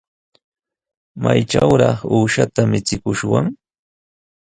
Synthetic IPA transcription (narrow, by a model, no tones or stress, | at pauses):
majʈ͡ʂawɾɑχuːʃat̪amɪt͡sɪkʊʃwaŋ